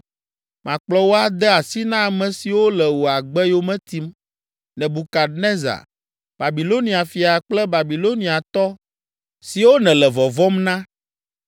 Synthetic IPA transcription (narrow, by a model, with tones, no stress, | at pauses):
mã˨k͡plɔ˦wo˦a˦d̪ɛ˦a˨si˦nã˦˨mɛ̃˨si˨wo˦lɛ˨wo˨a˨ɡ͡bɛ˦jo˦mɛ̃˦t̪i˦m | nɛ̃˨bu˨ka˨dnɛ̃˦za̰˨ | b̥a˨bi˨lo˦nĩ˨a˨fi˨a˨k͡plɛ˦ba˨bi˨lo˦nĩ˨a˨t̪ɔ˦ | si˨wo˦nɛ̃˨lɛ˨vɔ˨vɔ˦mnã˦